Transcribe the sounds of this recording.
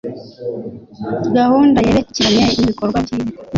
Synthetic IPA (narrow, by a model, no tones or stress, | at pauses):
ɡahuːndajeɾecːiɾaɲeiβikoɾɡwaci